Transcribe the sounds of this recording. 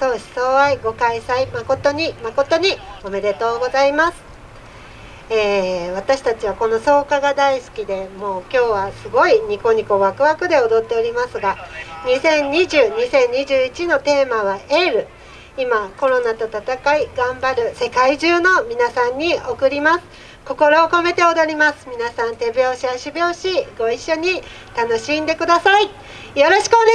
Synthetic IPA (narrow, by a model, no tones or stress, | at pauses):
so̞ːɕi̥soːβaiɡo̞kaisaimako̞t̪o̞ɲ̟imako̞t̪o̞ɲ̟io̞me̞d̪e̞t̪o̞ːɡo̞zaimasɨ̥ | eːβ̞at̪aɕi̥t̪at͡ɕiβako̞no̞so̞ːkaɡad̪aisɨ̥kʲid̪e̞mo̞ːkʲo̞ːβasɨɡo̞iɲ̟iko̞ɲ̟iko̞βakɯ̟βakɯ̟d̪e̞o̞d̪o̞t̪ːe̞o̞ɾʲimasɨɡaɲisẽ̞ɲ̟ɲiʑɨːɲ̟isẽ̞ɲ̟ːiʑɨːit͡ɕino̞t̪e̞ːmaβ̞aʔeɾɯ̟ | imako̞ɾo̞nat̪o̞t̪at̪akaiɡãmbaɾɯ̟se̞kaiʑɨːno̞mʲinasãɲ̟ːio̞kɯ̟ɾʲimasɨ̥ | ko̞ko̞ɾo̞ːko̞me̞t̪e̞o̞d̪o̞ɾʲimasɨ̥mʲinasãnt̪e̞bjo̞ːɕihaɕibʲjo̞ːɕiɡo̞iɕːo̞ɲ̟i | t̪ano̞ɕĩnd̪e̞kɯ̟d̪asai | jo̞ɾo̞ɕi̥kɯoɲe